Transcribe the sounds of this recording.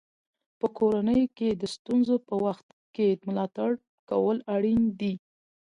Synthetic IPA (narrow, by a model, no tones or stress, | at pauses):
pəkoɾanəjoked̪əst̪unzopəwaxt̪ | ked̪əmʊlɑt̪aɽ | ka̰wəlaɽind̪i